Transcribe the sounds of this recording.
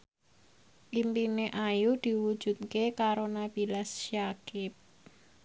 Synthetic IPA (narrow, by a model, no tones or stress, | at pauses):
ʔimpineʔajud̪̥i̤wud̥ʒ̥ṳt̪̚kekaɾonab̥i̤lasʃjakɪp̚